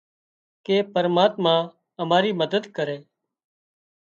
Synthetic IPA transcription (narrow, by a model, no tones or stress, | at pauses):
keːpəɾmaːt̪mãː | əmaːɾiːməd̪əd̪kəɾeː